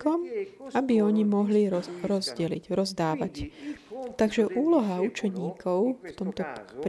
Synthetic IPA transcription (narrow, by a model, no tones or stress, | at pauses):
kɔmabiɔɲimɔɦliɾɔzɟɛlḭɟɾɔzd̪aːʋac | t̪aɡʒɛʔuːlɔɦaut͡ʃɛɲiːkʰɔʊft̪ɔmt̪ɔp